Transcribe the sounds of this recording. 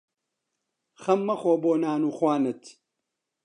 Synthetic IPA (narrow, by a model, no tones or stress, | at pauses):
xɐmːɐxoːboːnaːnuːxwaːnɨt̪